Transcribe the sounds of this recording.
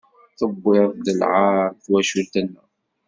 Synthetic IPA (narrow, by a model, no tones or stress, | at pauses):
θəbːɪd̪əlʕɑɾˤθwæʃult̪ænːæ̰